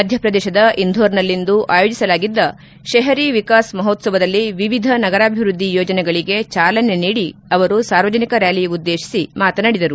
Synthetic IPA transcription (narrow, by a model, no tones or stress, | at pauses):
mɐd̪ʱjɐpɾɐd̪ɛːʃɐd̪ɐʔind̪ʱoːɾnɐlːind̪uʔaːjoːd͡ʒisɐlaːɡid̪ːɐ | ʃeɦɐɾiʋikaːsmɐɦot̪sɐʋɐd̪ɐlːiʋiʋid̪ʱɐnɐɡɐɾaːbʱiʋɾud̪ʱːijɔːd͡ʒɐnɛɡɐɭiɡe̞t͡ʃaːlɐneniːɽiɐʋɐɾusaːɾʋɐd͡ʒɐnikɐɾaːlijud̪ːeːʃi̥simaːt̪ɐnɐɽid̪ɐɾu